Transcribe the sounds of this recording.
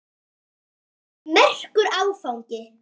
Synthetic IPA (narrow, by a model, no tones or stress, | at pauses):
mɛr̥kʏɾawfawɲcɪ